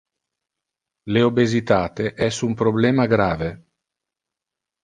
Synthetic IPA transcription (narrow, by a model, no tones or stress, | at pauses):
leobezit̪aːt̪eʔɛsumpɾoblɛːmaɡɾaːve